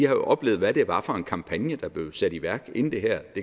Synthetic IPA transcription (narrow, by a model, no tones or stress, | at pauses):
ihɑ̈jo̝ʔɒ̽b̥le̝ːð̩ˠʋæɾ̥e̝ʋɑ̈fɒ̽e̝nkʰɑ̈mpʰænjəd̥ɑ̈b̥le̝ʊsæɾ̥iʋæɐ̰ɡ̥e̝n̩d̥e̝ɦæɐ̰d̥e̝